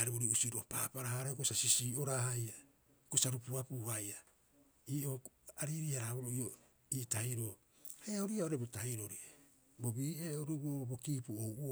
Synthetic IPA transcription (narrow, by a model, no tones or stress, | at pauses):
aɾioɾiusiɾopaːpaɾahaɾekosasisiːo̞ɾahaja | kosaɾupuapuhaja | iːʔo̞aɾiɾiaɾaβoɾoio | iːtahiɾo | hajaoɾiaoɾebotahiɾo̞ɾie | bo̞biːeoɾubuoobo̞kiːpuowʔo